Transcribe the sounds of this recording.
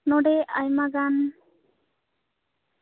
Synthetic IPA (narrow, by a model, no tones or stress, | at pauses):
nɔɖɛajmaɡan